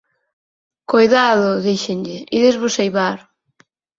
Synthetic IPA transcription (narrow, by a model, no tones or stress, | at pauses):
kojðaðʊðiʃenʎɪiðezβʊsejβaɾ